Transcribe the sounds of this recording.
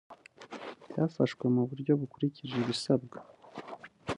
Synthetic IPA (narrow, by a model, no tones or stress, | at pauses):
jaːfaʃkwemuβuɾɟo̞βukuɾiciʒiβisabɡḁ